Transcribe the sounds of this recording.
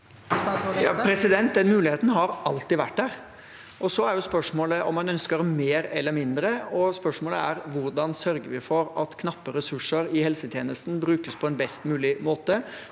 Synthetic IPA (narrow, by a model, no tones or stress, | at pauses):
jɑpʰɾɛsɪd̪ɛnt̪̚d̪ɛnmʉːlɪheːt̪n̩ɦɑɾɑlt̪ɪʋæʈdæːɾ | ʔɔsɔæɾjʊspœʂmoːləʔɔ̰mːɑnœnskəɾmeːɾɛ̰lːəɾmɪnd̪ɾəɔspœʂmoːlə̰æɾʋʊɾɖ̪ɑnsœɾɡəʋɪfɔɾɑt̪kʰnɑpːəɾɛsʉʂəɾɪhɛlsət̪ʰjeːnəst̪n̩bɾʉːkəspʰɔɛnbɛst̪mʉːlɪmoːt̪ə